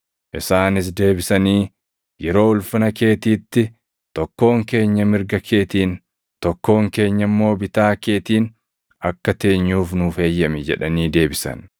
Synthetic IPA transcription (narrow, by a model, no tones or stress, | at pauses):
ʔɪsaːnɪs̬d̪e̞ːbɪsɐniː | jɛɾo̞ːʊlfʊnɐke̞ːt̪iːt̪ːɪ | t̪ɔkːo̞ːŋke̞ːɲːɐmɪɾɡɐkʰe̞ːt̪iːn | t̪ɔkːo̞ːŋke̞ːɲːɐmːo̞ːbɪt̪aːke̞ːt̪iːn | ʔɐkːɐt̪e̞ːɲːuːfnʊːfe̞ːjːɐmɛd͡ʒɛᶑɐniːd̪e̞ːbɪsɐ̰n